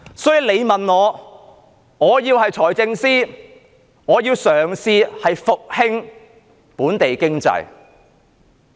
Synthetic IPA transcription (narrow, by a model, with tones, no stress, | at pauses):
sɔː˨˥jiː˨le˨˧jmɐ˨nŋɔː˨˧ | ŋɔː˨˧jiː˧whɐ˨jt͡sʰɔː˨˩jt͡sɪ˧ŋsiː˥ | ŋɔː˨˧jiː˧wsœː˨˩ŋsiː˧hɐ˨jfʊ˨k̚hɪ˥ŋ | puː˨˥nt̪e˨jkɪ˥ŋt͡sɐ̰˨˧j